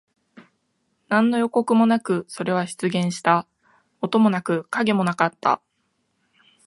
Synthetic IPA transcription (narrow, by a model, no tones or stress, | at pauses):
nãnːo̞jo̞ko̞kɯ̟mo̞nakɯ̟so̞ɾe̞βaɕi̥t͡sɨɡẽ̞ɰ̃ɕi̥t̪a | o̞t̪o̞mo̞nakɯ̟kaɡe̞mo̞nakat̪ːa̰